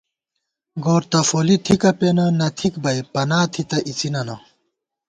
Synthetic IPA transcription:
ɡoːɾt̪ɐfoːlit̪ʰikɐpenɐnɐt̪ʰikbɐjpɐnaːt̪ʰit̪ɐʔit͡sinɐnɐ

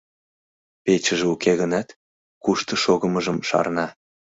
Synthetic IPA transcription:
pet͡ɕəʒeukeɣənɑt̪ | kuʃt̪ɤ̆ʃoɣəməʒəmʃɑ̰rnɑ

